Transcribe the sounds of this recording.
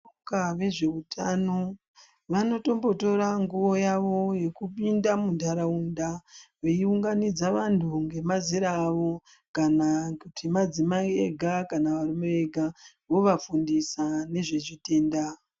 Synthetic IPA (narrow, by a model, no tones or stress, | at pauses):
okaʋe̞ʐe̞utʰano̞ | ʋano̞to̞mbo̞to̞ɾaŋɡuʋo̞jaʋo̞je̞kupindamundʱaɾaundaʋeiuŋɡanid͡zaʋantʰuŋɡe̞maziɾaːʋo̞ | kanakutʰimad͡zimaeɡʱakanaʋarimee̞ɡʱa | ʋo̞ʋafundisane̞ʐe̞ʐite̞ːnda